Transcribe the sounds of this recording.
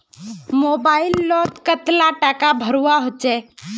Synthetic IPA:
moːbaːɪlːɔːt̪kət̪laʈakabʱəɾuwaɦot͡ʃɛː

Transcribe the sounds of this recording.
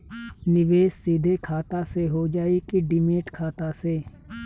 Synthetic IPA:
nɪʋeːssiːd̪ʱekʰaːt̪aseɦod͡ʒaːekiɖɪmeːʈkʰaːt̪aseː

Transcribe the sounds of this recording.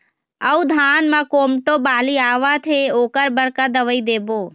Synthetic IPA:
əud̪ʱaːnmãkoːmʈobaːliaːʋat̪ʰeoːkəɾbəɾkad̪əʋəid̪eːboː

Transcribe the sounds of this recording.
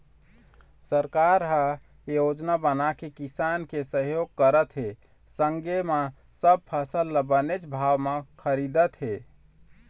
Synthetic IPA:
səɾkaɾɦa | jod͡ʒnabənakekisankesəɦjoɡ̚kəɾət̪ɦe | səŋɡema | səb̚pʰəsəlːəbənet͡ʃbʱaʋmekʰəɾid̪ət̪ɦe

